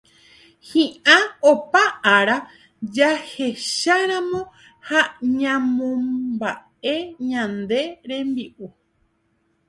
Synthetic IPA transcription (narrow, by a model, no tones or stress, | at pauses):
hĩʔãopaʔaɾa | d͡ʒahe̞ʃaɾãmõ | haɲãmõmba | eɲãnd̪e̞ɾẽ̞mbiʔu